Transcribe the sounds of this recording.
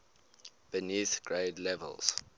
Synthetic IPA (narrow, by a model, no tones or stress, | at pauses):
b̥əniθɡ̥ɹeɪdlɛvə̰lz̥